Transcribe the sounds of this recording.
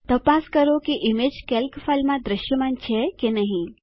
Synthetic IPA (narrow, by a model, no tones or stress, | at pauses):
t̪ɐpaskɐɾokiʔɪmed͡ʒkelkfʰalmãd̪ɾɪʃjəmant͡ʃʰekenɐɦĩ